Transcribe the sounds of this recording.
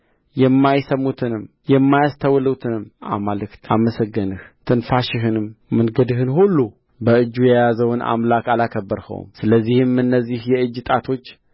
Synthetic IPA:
jɛmːajsəmːut̪ʰɨnɨm | jɛmːajast̪ʰəwləwt̪ʰɨnɨma̰malɨkt̪ʰaməsəɡːənɨht̪ʰɨnfaʃɪɦɨnɨmːɨnɡəd̪ɨhɨnhulːu | bəɨd͡ʒːujɛjazəwnʔa̰mlakalakʰəbːəɾhə̰w̰msɨləzːihɨmɨnːəzːihjɛɨd͡ʒːɨt̪ʼat̪ʰo̞t͡ʃː

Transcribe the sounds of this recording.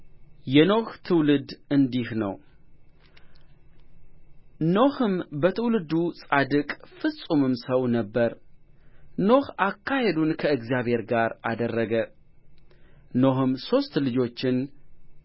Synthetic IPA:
jɛno̞ht̪ʰɨwlɨd̪ɨnd̪ihnə̰w | no̞hɨmbət̪ʰɨwlɨd̪usʼad̪ɨkʼfɨsʼumɨmsəwnəbːəɾ | no̞hakːahed̪unkʰəɨɡzjaβhe̞ɾɡaɾad̪ərːəɡə | no̞hɨmso̞st̪lɨd͡ʒo̞t͡ʃːɪn

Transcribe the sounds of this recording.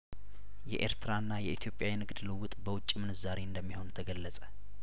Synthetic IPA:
jɛʔḛɾt̪ʰɾanːajɛit̪ʰjo̞pʼjawinɨɡd̪lɨwʊt̪ʼbəwʊt͡ʃʼːimɨnɨzaɾeɨnd̪əmːiho̞nt̪ʰəɡəlːəsʼə

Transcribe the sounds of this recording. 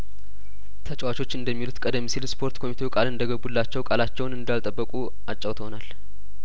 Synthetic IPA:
t̪ʰət͡ʃʼwat͡ʃʰo̞t͡ʃːɨnd̪əmːilut̪kʼəd̪əmːisilspʰo̞ɾt̪kʰo̞mit̪ʰeukʼalɨnd̪əɡəbːulːat͡ʃːɛwkʼalat͡ʃːɛwnɨnd̪alt̪ʼəbːəkʼu | at͡ʃʼːəwt̪əhonal

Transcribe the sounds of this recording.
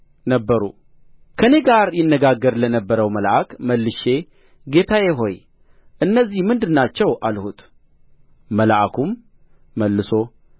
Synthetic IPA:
nəbːəɾṵ | kʰəne̞ɡaɾjɪnːəɡaɡːəɾlənəbːəɾəwməlʔakməlːɨʃe̞ | ɡe̞t̪ʰajeɦo̞j | ʔɨnːəzːihmɨnd̪ɨnːat͡ʃːɛwʔalhut̪ | məlʔakʰumː | əlːɨso̞

